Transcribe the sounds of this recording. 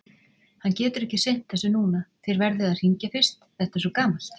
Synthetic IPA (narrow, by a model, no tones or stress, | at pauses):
hanːcɛːt̪ʏɾɛhcɪsejn̥t̪θɛsʏnuːnaθɪɾvɛɾðʏaðr̥iɲcafɪr̥st̪θɛht̪asɔkaːmal̥t̪